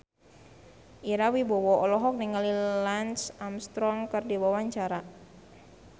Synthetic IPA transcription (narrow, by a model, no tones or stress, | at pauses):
ʔiɾawibɔwɔʔɔlɔɦɔk̚niŋalilansamst̪ɾɔŋkərdiwawaɲt͡ʃaɾa